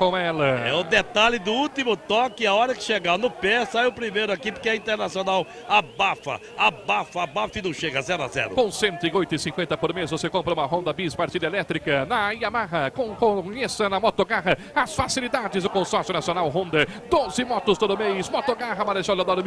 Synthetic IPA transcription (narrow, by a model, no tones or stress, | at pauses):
kõw̃ɛlɐɛ̰ʊd̪et̪alɪd̪ʊult̪imʊt̪ɔkɪaɔɾɐkɪ̥ʃeɡanʊpɛsajʊpɾimejɾʊakipʊɾkɪɐĩnt̪eɾnasionaw | abafɐ̰ | abafɐabafɪnɐ̃w̃ʃeɡɐazɛɾʊa̰zɛ̰ɾʊ̰kõsẽnt̪ɪ̃ojt̪ʊɪsĩŋkwẽnt̪ɐpoɾmesvosekõmpɾɐũmɐɦõnd̪ɐbispaɾt͡ʃid̪ɐelɛt̪ɾikɐnɐiamaɦɐkõkõɲesɐnɐmot̪oɡaɦɐ | ɐsfasilid̪ad͡ʒɪzd̪ʊkõsɔɾsjʊnasionawɦõnd̪ɐd̪ozɪmɔt̪ʊst̪od̪ʊmejsmot̪oɡaɦɐmaɾeʒɔlad̪ɔɾʊm